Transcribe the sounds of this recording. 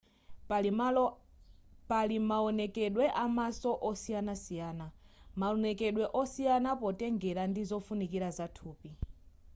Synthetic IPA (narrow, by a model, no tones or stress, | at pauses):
palimaɔnɛkɛɗwɛʔamasɔʔɔsijanasijaːnamaɔnɛkɛɗwɛʔɔsijanapɔtɛŋɡɛɾandizɔfunikiɾazatʰuːpi